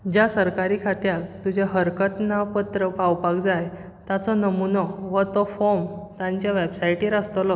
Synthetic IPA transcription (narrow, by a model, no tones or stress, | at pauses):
d͡ʑjasəɾkaɾiːkʰat̪jakt̪ud͡ʑʱaɦəɾkət̪napət̪ɾəpawpakd͡zaj | t̪at͡sɔnəmunɔʋət̪ɔfomt̪ãɲt͡ɕjaʋebsajʈĩɾast̪əlɔ